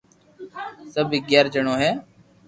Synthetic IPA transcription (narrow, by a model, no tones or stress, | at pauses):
səbʱiːɡɛːɾd͡ʒəɳ̃oːɦɛː